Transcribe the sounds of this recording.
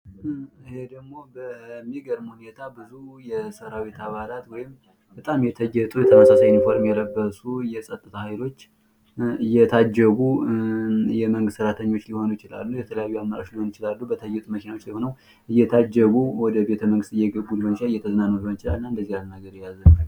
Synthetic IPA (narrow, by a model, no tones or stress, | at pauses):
ɨhe̞d̪əɡmo̞bəmːiɡəɾmhune̞t̪ʰabɨzujɛsəɾaβe̞t̪ʰaβalat̪wɔjɪm | b̥ət̪ʼamjɛt̪ʰəjːɛt̪ʼujɛt̪ʰəməsasajɪnfo̞ɾmjɛləbːəsujɛsʼət̪ʼːɨt̪ʰahajlo̞t͡ʃː | ɨjːɛt̪ʰad͡ʒːəɡu | jɛməŋɡɨst̪səɾat̪ʰəɲːo̞t͡ʃːliho̞nwjɪt͡ʃɪla̰lːujɛt̪ʰələjajːuamːaɾa̰oʃliho̞njɪt͡ʃɪlalːubət̪ʰəjɛt̪ʼməkʰinawot͡ʃːliho̞nəw | ʔɨjːɛt̪ʰad͡ʒːəɡuwɔd̪əbe̞t̪ʰəməŋɡɨst̪ɨjːɛɡəbːulihont͡ʃaɨjːɛt̪ʰəzənanːwliho̞nɪt͡ʃɪla̰lnːaɨnd̪əzːihalnaɡəɾjazːəna